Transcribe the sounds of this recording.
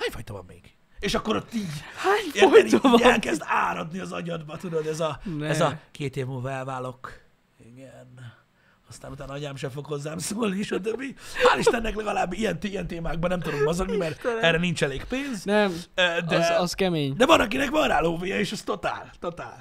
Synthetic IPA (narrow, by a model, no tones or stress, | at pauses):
haːɲfɒjt̪ovɒ̰mmḛːɡ̥ | eːʃɒkːo̞ɾɒt̪iɟhaɲoɛɾiɛlkɛzd̪aːɾɒd̪niɒzɒɲɒd̪bɒt̪ud̪ooɛzɒɛzɒkeːt̪eːvmulvɒɛlvaːlo̞k | iɡɛn | ɒst̪aːnut̪aːnɒɲaːmʃɛfo̞kho̞zːaːmsoːlniʃɒt̪øbːimaːliʃt̪ɛnːɛklɛɡɒlaːbːijɛnt̪ijɛnt̪eːmaːɡ̚bɒnɛmt̪ud̪omːɒzoɡnimɛrɛrɛnint͡ʃɛleːkpeːnznɛmøːd̪ɛzzkɛmeːɲd̪ɛvɒnɒk̬inɛkʋɒnraːloːvejɛeːʃɛst̪o̞t̪a̰ːlt̪o̞t̪a̰ːl